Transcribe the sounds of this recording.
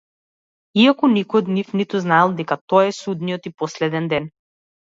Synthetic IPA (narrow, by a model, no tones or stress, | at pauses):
iakɔnikɔjɔd̪nifnit̪uznaɛlˠd̪ɛkat̪ɔaɛsud̪nijɔt̪ipɔslɛd̪ɛnd̪ɛn